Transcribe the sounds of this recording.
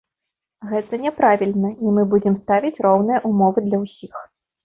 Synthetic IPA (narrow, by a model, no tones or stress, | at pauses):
ɣɛt̪ɐnʲɛpɾavʲilʲnɐimɨbud͡zʲɛmst̪avʲit͡sʲɾɔwnɨjɐʔumɔvɨd̪lʲɐwsʲix